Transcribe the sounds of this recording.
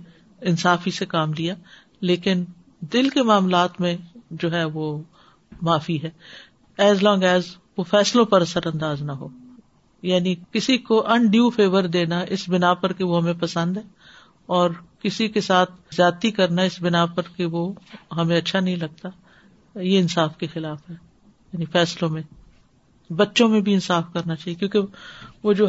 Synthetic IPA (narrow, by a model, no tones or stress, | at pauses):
ɪnsaːfisekaːmlija | leːkɪn | d̪ɪlkemaːmlaːt̪mẽd͡ʒoːɦɛʋo | maːfiɦɛː | ɛːzlɔːŋɡɛːz | ʋofɛːslõpɐɾɐsəɾɐ̃nd̪aːznaɦoː | jaːnikɪsikoʔɐ̃ɳɖijufeːʋəɾd̪eːnaʔɪsbɪnapɐɾkeʋoɦɐmẽpɐsə̃nd̪ɦɛː | ɔːɾkɪsikesaːt̪ʰzjaːt̪ikɐɾnaɪsbɪnapɐɾkeʋoɦɐmẽɐtːʃʰanɐɦĩlɐɡ̚t̪a | jeɪnsaːfkexɪlaːfɦɛː | jaːnifɛːslõmẽ | bɐtːʃõmẽbʱiɪnsaːfkɐɾnat͡ʃaːɦiekjõːkeʋoːd͡ʒo